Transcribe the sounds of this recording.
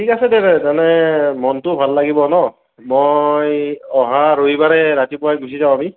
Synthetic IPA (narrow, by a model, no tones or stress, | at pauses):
tʰikasɛdɛnzanɛmɔntʊbʱalːaɡibɔnɔ | mojɔɦaɹojbaɹɛɹatipʊajɡus̬izaʊ̃ami